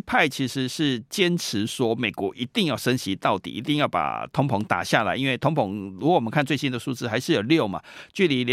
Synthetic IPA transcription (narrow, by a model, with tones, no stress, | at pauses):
pʰa˥˩ɪt͡ɕʰi˧˥ʂɻ̩˧˦ʂɻ̩˥˩t͡ɕjɛ˦˥nʈ͡ʂ̩ʰ˧˦swɔ˥me˨˩ɪkwɔ˧˥ʔi˧˥t̪i˥˧ŋjɑ˥˩ʊʂə˥nɕi˧˥t̪ɑ˥˩ʊt̪ḭ˨˩ḭ˧˥t̪i˥˧ŋjɑ˥˩ʊpa̰˨˩t̪ʰʊ˧˥ŋpʰʊ˧˥ŋt̪a̰˨˩ɕja˥˨la̰˧˥ɪi˦nwe˥˩ɪt̪ʰʊ˧˥ŋpʰʊ˧˥ŋlu˧˥˨wə˦kʰnt͡swe˥˩ɪɕi˥nd̪ə˨ʂu˥˧ʈ͡ʂɻ̩˥˩xa˧˥ɪʂɻ̩˥˩˨jo˨˩ljo˥˨ʊma̰˨t͡ɕy˥˩li˧˥l